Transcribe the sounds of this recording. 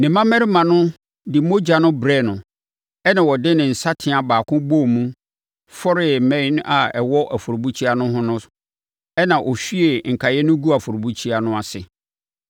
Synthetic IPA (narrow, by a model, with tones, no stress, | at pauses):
nɪ̃˨mã˦mɛ˦ɾɪ˦mã˨nʊ̃˦ | dɪ˨mo˦d͡ʑa˨nʊ̃˦bɾɛ˦˨nʊ̃˨ | ɛ˦nã˨wɔ˨dɪ˦nɪ̃˨n̩˨sa˦tʰɪ̃˨a˨baː˨kʰʊ̃˦bo˦˨mũ˦ | fɔ˦ɾɪ˨mɛ̃˦n˦a˨ɛ˨wɔ˦ʔa˨fʊ˨ɾo˨bu˦t͡ɕʰi˦a˦nʊ̃˦ɦʊ̃˦nʊ̃˦ | ɛ˦nã˨ʔɔ˨ɕᶣi˦e˨ŋ̩˨kʰa˨jɛ˦nʊ̃˦ɡu˦a˨fʊ˨ɾbu˦t͡ɕʰi˦a˨nʊ̃˦a˨sɪ˨